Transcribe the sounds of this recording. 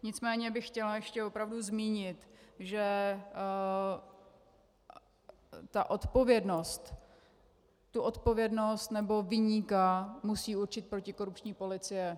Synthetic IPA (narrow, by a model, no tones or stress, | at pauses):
ɲɪt͡smɛːɲɛbɪxxcɛlajɛʃcɛvo̞pɾavduzmiːɲɪt̪ʒɛ | t̪aʔo̞t̪po̞vjɛdno̞st̪ | t̪uʔo̞t̪po̞vjɛdno̞st̪nɛbo̞vɪɲiːkamusiːuɾt͡ʃɪt̪̚pɾo̞cɪko̞ɾup̚t͡ʃɲiːpo̞lɪt͡sɪjɛ